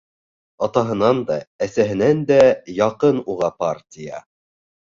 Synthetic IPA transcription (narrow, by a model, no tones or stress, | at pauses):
ɑt̪ɑɦɤ̆nɑnd̪ɑæsæɦɘ̆nænd̪æjɑqɤnuʁɑpɑɾtʲijɑ̰